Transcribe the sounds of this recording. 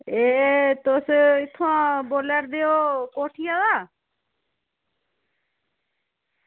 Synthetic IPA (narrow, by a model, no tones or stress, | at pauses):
eːt̪oːsɪt̪ʰːoãːboːləɾd̪eːoːkoːʈʰijaːd̪aː